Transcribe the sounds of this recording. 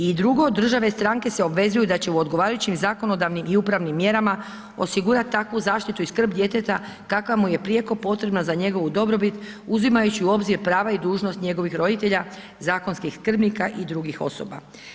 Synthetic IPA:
id̪ɾuɡo̞d̪ːr̩ʒaʋest̪ɾaŋke̞seo̞bʋe̞zujud̪at͡ɕe̞uod̪ɡo̞ʋaːɾajut͡ɕimzako̞no̞d̪aʋnimiupɾaʋnimːje̞ɾama | o̞̰siɡuɾat̪t̪ːakʋuzaːʃt̪it̪uiskr̩bd̪je̞t̪e̞t̪a | kakʋamuje̞pɾije̞ko̞po̞t̪ɾe̞bnazaɲe̞ɡo̞ʋud̪o̞bɾo̞bit̪ | uzimajut͡ɕiuo̞bziɾpɾaːʋaid̪uːʒno̞st̪ɲe̞ɡo̞ʋixɾo̞d̪it̪e̞ʎa | zaːko̞nskixskr̩bnikaʔid̪ɾuɡixo̞̰so̰ba̰

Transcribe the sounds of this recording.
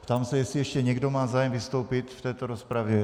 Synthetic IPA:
pt̪aːmsɛjɛsiɛʃcɛɲɛɡdomaːzaːjɛmvist̪oʊpit̪ft̪ɛːt̪ɔɾɔspɾaʋjɛ

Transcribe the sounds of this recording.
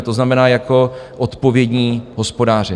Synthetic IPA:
t̪o̞znamɛnaːjako̞ʔot̪po̞vjɛdɲiːɦospo̞daːr̝ɛ

